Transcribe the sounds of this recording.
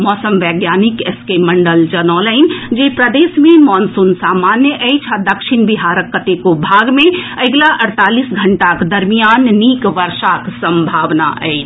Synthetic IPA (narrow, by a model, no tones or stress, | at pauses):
mɔːsəmʋɛɡjaːnikeskeməɳɖəld͡ʒənɔːləɪnd͡ʒepɾəd̪esmemɔːnsunsaːmanjəʔəjt͡ʃʰad̪əkʃiñbiɦaɾəkːət̪ekobʱaɡmẽəɡlaʔəɽt̪aːlisɡʱəɳʈakd̪əɾmijanːikʋəɾʃaksəmbʱaːʋna̰ʔə̰ɪt͡ʃʰ